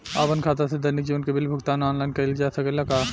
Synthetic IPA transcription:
a̰ːpənkʰaːt̪̬ased̪ɐɾnɪk̚d͡ʒiːʋənkebɪlbʱʊkt̪aːnɔːnlaːɪnkɐld͡ʒaːsɐkelɐkaː

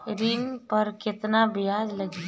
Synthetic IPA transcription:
ɾiːnpɐɾkɪt̪nabijaːd͡ʒləɡi

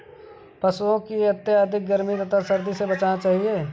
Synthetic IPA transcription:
pɐsuõkiɐt̪ːjəaːd̪ʱɪk̚ɡɐɾmit̪ɐt̪ʰasɐɾd̪isebɐt͡ʃaːnat͡ʃaːɦieː

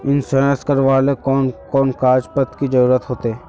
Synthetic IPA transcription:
ɪnsəə̃skəɾʋaːlekɔːnkɔːnkaːd͡ʒpət̪kid͡ʒəɾuːɾət̪ɦoːt̪eɛː

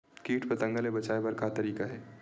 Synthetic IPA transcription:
kiːʈʰpɐt̪ɐ̃ŋɡəlebɐt͡ʃaːebɐɾkat̪ɐɾiːkaɦɛː

